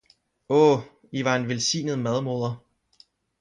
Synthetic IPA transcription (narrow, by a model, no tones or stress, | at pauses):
ɔː | iʋɑ̈e̝nʋelsḭːnəð̩ˠmæð̞ˠmo̝ðˠɐ